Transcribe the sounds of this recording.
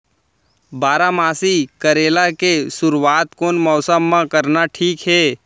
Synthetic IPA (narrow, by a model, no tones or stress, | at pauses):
baːɾamaːsikəɾeːlakesʊɾuwaːt̪koːnmɔːsəmːãkəɾnaʈʰiːkɦɛː